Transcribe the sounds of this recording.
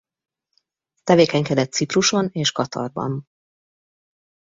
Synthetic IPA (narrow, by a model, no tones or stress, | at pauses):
t̪ɛveːkɛɲkɛd̪ɛt̪sipruʃo̞neːʃkɒt̪ʰɒ̰rbɒ̰n